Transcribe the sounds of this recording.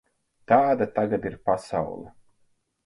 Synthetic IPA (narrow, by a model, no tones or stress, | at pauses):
t̪aːd̪at̪aɡad̪iɾpasa̰wlˠɐ̰